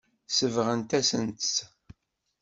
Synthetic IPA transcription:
səvʁənt̪æsənt̪s

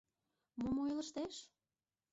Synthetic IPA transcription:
momojlə̆ʃt̪eʃ

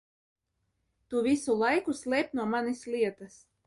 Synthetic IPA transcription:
t̪uːvisulˠajkuslʲɛːp̚nuɔmanʲislʲiɛt̪as

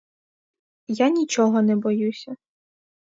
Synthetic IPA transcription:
janʲit͡ʃɔɦɔnɛbɔjusʲɐ

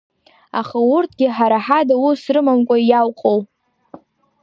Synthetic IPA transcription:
aχawurtʰɡʲɪħaɾaħadawusrɨmamkʷʼajawqʼow

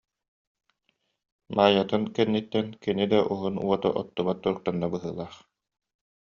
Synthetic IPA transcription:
maːjat̪ɯnkɛnːit̪ːɛnkinid̪aʔuɦunuɔt̪ɔ̰ʔɔt̪ːumat̪ːuɾuk̚t̪anːabɯɦɯ̰ːlˠaːχ

